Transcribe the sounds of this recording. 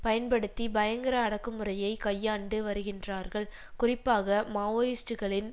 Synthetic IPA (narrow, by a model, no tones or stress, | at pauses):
pɐjɐnpɐɽɯt̪ːibɐjɐŋɡɪɾɐːɽɐkːɯmɯrɐjɐɪkɐjːaːɳɖɯʋɐɾɯɣɪndraːɾɣɐɭ | kʊrɪpːaːɣɐmaːʋoːjɪsʈɯɣɐɭɪn